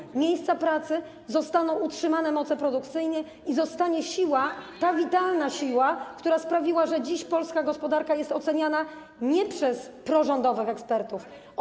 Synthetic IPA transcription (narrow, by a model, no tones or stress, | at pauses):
mʲjejst̪sapɾat̪sɘ | zɔst̪anɔ̃w̃utʂɘmanɛmɔt̪sɛpɾɔd̪ukt̪sɘjɲɛ | izɔst̪aɲɛɕiwat̪avʲit̪alnaɕiwakt̪uɾaspɾavʲiwaʐɛd͡ʑiɕpɔlskaɡɔspɔd̪aɾkajɛst̪ɔt̪sɛɲana | ɲɛpʂɛspɾɔʐɔnd̪ɔvɘxɛkspɛɾt̪uf